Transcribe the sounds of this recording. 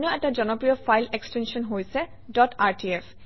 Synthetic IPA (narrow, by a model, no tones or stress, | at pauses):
nɔɛtad͡ʒɔnɔpɹijɔpʰajlekstensɔnɦojsɛ | dɔtaɹtʰiɛf